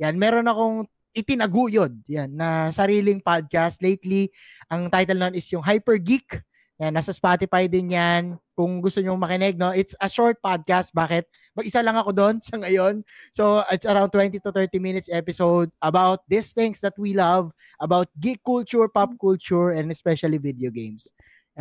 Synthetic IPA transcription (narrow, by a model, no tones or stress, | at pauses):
janmɛːɾo̞nɐko̞ŋ | ʔɪt̪ɪnɐɡuːjod̪̚janːɐsɐɾiːlɪŋpad̪̚kast̪lejt̪li | ʔɐŋt̪ajt̪ɛlnɐmɐnɪsjʊŋɦajpɛɹɡik | nɐnaːsɐspat̪ɪfajd̪ɪnɲankʊŋɡʊst̪oɲomɐkɪnɛɡ̚no̞ʔɪt̪sɐʃoɹt̪̚pad̪̚kast̪̚baːkɛt̪̚ | mɐɡʔɪsalɐŋɐkod̪onsɐŋɐjo̞nsoɪt̪sɐɾãw̃nt̪wɛnt̪it̪ʊt̪ɛɹt̪imɪnɪt̪sɛpɪsowd̪̚ɐbawt̪̚d̪ɪst̪ɪ̃ŋsd̪ɐt̪̚wilɐv | ʔɐbawt̪̚ɡikːult͡ʃʊɹpap̚kult͡ʃʊɹɛ̃nd̪ɛspɛʃɐlivɪd̪ɛoɡẽjms